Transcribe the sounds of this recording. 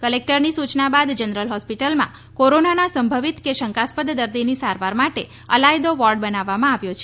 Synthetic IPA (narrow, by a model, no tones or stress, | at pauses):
kəlek̚ʈəɾnisut͡ʃnabad̪d͡ʒənəɾəlɦɔspiʈəlmã̰ | koɾonanasəmbʱəʋit̪keʃəŋkaspəd̪d̪əɾd̪inisaɾʋaɾmaʈe | əlajd̪oʋɔɾɖ̚bənaʋːamãaʋjot͡ʃʰe